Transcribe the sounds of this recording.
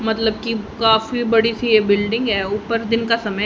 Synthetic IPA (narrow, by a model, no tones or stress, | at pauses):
mɐt̪ləb̚kikaːfibɐɽisijebɪlɖɪ̃ŋɡɦɛːʊpəɾd̪ɪnkasɐmə